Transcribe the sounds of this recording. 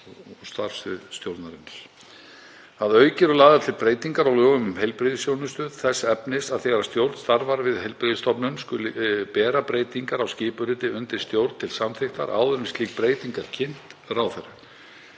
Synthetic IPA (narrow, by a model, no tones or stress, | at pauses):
ɔst̪aɾ̥sɪðst̪jowɾt̪naɾɪn̥ | θaðœːɥcɛɾʏlaːðaɾt̪ʰɪlpɾeːjt̪iŋkaɾawlœːɣʏmʏmɦejlpɾɪðɪsjowɾnʏst̪œːðθɛsːɛpnɪsaðθɛɣaɾast̪jowɾt̪st̪aɾvaɾvɪðhejlpɾɪðɪst̪ʰɔpnʏmskʏlɪpɛːɾapɾeːjt̪iŋkaɾawscɪːpʏɾɪt̪ɪʏnt̪ɪ̥st̪jowɾt̪t̪ʰɪlsamθɪxt̪a̰ɾʔa̰ːwðʏmɪst̪liːk̚pɾeːjt̪iŋkaɾ̥cʰɪn̥t̪rawθɛra